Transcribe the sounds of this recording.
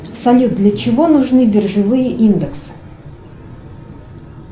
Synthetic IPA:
sɐlʲut̪̚d̪lʲət͡ɕɪvonʊʐnɨdʲɪrʐɨvɨjəʔind̪ɨksɨ̥

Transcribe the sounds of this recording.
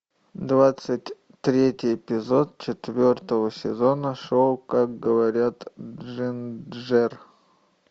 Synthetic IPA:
d̪vat̪sɨtʲ | t̪ɾʲetʲɪjɪpʲɪzo̞t̪̚t͡ɕɪt̪vʲort̪əvəsʲɪzonəʂolˠkak̚ɡəvɐɾʲat̪ʐɨnʐɛr

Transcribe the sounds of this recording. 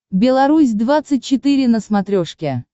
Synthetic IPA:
bʲɪlˠɐɾusʲd̪vat̪sɨt̚ʲt͡ɕːɪt̪ɨɾʲɪnəsmat̪ɾʲoʂkʲɪ

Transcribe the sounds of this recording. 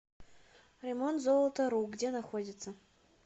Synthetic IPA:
rʲemont̪zolˠət̪əɾuɡdʲenaxodʲɪt̪sə

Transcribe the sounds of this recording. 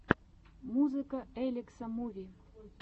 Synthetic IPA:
muzɨkəelʲeksɐmuvʲi

